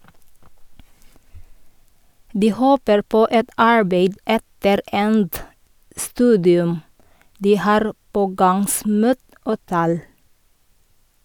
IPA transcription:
ˈdiː ˈhoːpəɾ ˈpoː ˈɛt ˈɑɹbeɪd ˈɛtəɾ ˈɛnt ˈstʉːdɪʉm ˈdiː ˈhɑːɾ ˈpoːɡɑŋˌsmuːt ˈoː ˈtæːl

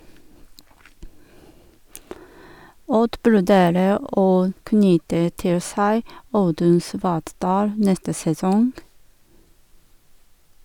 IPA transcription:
ˈɔd ʋʉɾˈdeːɾə ˈoː ˈknʏtə ˈtɪl ˈsæɪ ˈɑʉdʉn ˈsʋɑːtˌdɑːl ˈnɛstə sɛˈsɔŋɡ

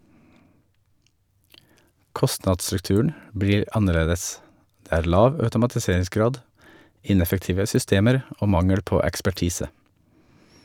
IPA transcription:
ˈkɔstnɑdsɾʉkˌtʉːəɳ̩ ˈbɹiːɾ ˈɑnəˌɭeːdəs ˈdeː ˈæːɾ ˈlɑːʋ œʉtʊmɑtɪˈseːɹɪsˌɡɾɑːd ˈɪnɛfəkˌtiːʋə sʏˈsteːməɾ ˈoː ˈmɑŋəɽ ˈpoː ɛkspæˈʈiːsə

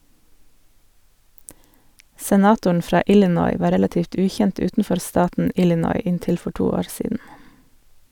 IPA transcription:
sɛˈnɑːtʊɳ ˈfɾɑː ˈʔɪlɪnɔʏ ˈʋɑː ˈɾɛlɑˌtiːft ˈʉːˌçɛnt ˈʉːtn̩ˌfɔɾ ˈstɑːtn̩ ˈɪlɪnɔʏ ˈɪnˌtɪl ˈfɔ ˈʈuː ˈoːɾ ˈsiːdn̩

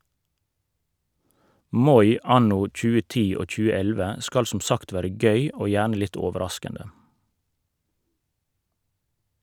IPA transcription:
ˈmɔʏ ˈɑnʊ ˈc͡çʉːə ˈtiː ˈoː ˈc͡çʉːə ˈɛlʋə ˈskɑl ˈsʊm ˈsɑkt ˈʋæːɾə ˈɡœʏ ˈoː ˈjæːɳə ˈlɪt ˈɔʋəɾɑskəndə

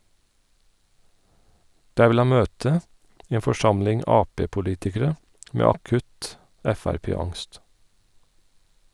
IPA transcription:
ˈdæː ˈʋɪl ˈhɑn ˈmøːtə ˈeːn fɔˈʃɑmlɪŋ ˈɑːˌpeːpʊˌliːtɪkəɾə ˈmeː ɑˈkʉt ˈɛfæɾˌpeːˌɑŋst

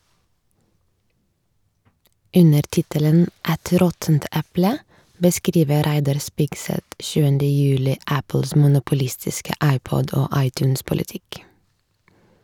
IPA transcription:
ˈʉnəɾ ˈtɪtələn ˈɛt ˈɾɔtnt ˈæplə bəˈskɾiːʋə ˈɾæɪdɑɾ ˈspɪɡsɛt ˈʃʉːəndə ˈjʉːlɪ ˈæpl̩s mʊnʊpʊˈlɪstɪskə ˈɑɪˌpɔd ˈoː ˈɑɪˌtjʉːns pʊlɪˈtɪk

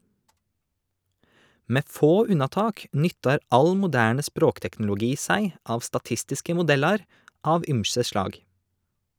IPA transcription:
ˈmeː ˈfoː ˈʉnɑˌtɑːk ˈnʏtɑɾ ˈʔɑl mʊˈdæːɳə ˈspɾoːktɛkn̩lʊˌɡiː ˈsæɪ ˈʔɑːʋ stɑˈtɪstɪskə mʊˈdɛlɑɾ ˈɑːʋ ˈʔʏmsə ˈʃlɑːɡ

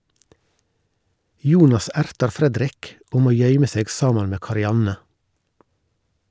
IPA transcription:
ˈjuːnɑs ˈæɾtɑɾ ˈfɾɛdɾɪk ˈoː ˈmoː ˈjœʏmə ˈseːɡ ˈsɑːmɑn ˈmeː kɑɾɪˈɑnə

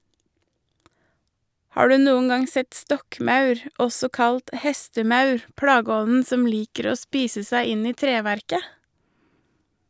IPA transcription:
ˈhɑː ˈɖʉː ˈnuːən ˈɑŋ ˈsɛt ˈstɔkˌmɑʉɾ ˈɔsɔ ˈkɑlt ˈhɛstəˌmɑʉɾ ˈpɽɑːɡəˌɔnn̩ ˈsɔm ˈliːkəɾ ˈoː ˈspiːsə ˈsæɪ ˈɪn ˈiː ˈtɾeːʋæɾkə

